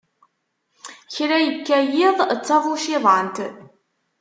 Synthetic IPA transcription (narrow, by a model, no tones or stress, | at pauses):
çɾæjəkːæjɪðˤt͡sːɑvˤuʃiðˤənt̪